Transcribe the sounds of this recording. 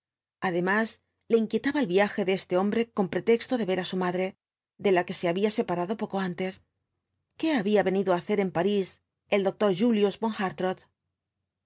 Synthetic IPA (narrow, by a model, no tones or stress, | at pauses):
aðemas | le̞iŋkje̞t̪aβaelβjaxe̞ðee̞st̪e̞o̞mbɾe̞ko̞mpɾe̞t̪e̞kst̪o̞ðe̞βe̞ɾasumaðɾe̞ | ðe̞lake̞se̞aβiase̞paɾaðo̞po̞ko̞ant̪e̞s | ke̞aβiaβe̞niðoaːθe̞ɾe̞mpaɾis | e̞ld̪o̞k̚t̪o̞ɾʝuljuzbo̞ŋxaɾt̪ɾoð